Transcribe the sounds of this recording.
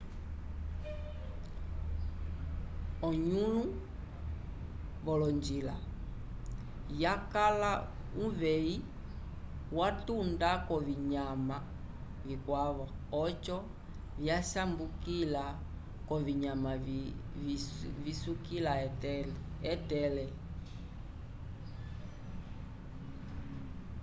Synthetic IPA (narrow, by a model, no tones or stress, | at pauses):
ɔɲulu | βɔlɔɲd͡ʒila | jakala | uvɛi | watundakɔviɲama | vikwaβa | ɔt͡ʃɔ | vjasambukila | kɔviɲama | visukila | ɛtɛlɛ